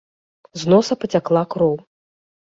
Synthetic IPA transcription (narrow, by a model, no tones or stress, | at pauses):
znɔsɐpɐt͡sʲaklˠakɾɔw